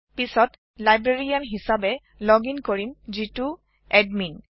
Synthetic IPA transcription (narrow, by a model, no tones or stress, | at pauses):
pisɔt | lajbɹeɹijanɦisabɛ | lɔɡinkoɹimzitu | ɛdmin